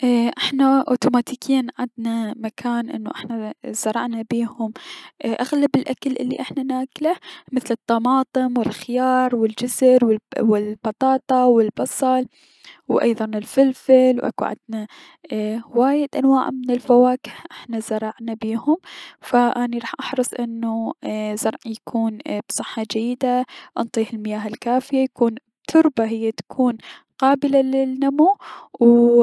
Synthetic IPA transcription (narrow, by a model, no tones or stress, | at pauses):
ʔʔɪħnaʔo̰ːt̪umaːt̪iːkʰiːnʕad̪namakʰaːnʔɪ̰nːo̰ʔɪħnaz̥ɑɾˤɑʕnabiːhʊmʔʔaɣlabɪlʔakalʔɪlːḭʔɪħnanaːklamɪθlɨt̪ˤːɑmɑːt̪ˤɨmwɪlxɪjɑːɾˤwɪld͡ʒɪzɪɾwɪwɪlbɑt̪ˤɑːt̪ˤɑwɪlbɑsˤɑl | wʔɑ̰jðˤɑnɪlfɪlfɪlwʔa̰kṵʕa̰d̪̚na | waːjɪd̪ʔanwaːʕmɪnɪlfawaːkɪhʔɪħnazɑɾˤɑʕnabiːhʊmfaʔaːniɾˤɑːħʔɑħɾɨsˤʔɪnːuzɑɾˤʕjakʰuːnb̥sˤɨħːɑd͡ʒajːɪd̪aʔɑnt̪ˤiːhɪlmɪjaːɦɪlkaːfɪjajakʰuːn | t̪ʰʊɾbaɦɪjːat̪ḁkʰuːn | qɑːbɪlalɪlːamuw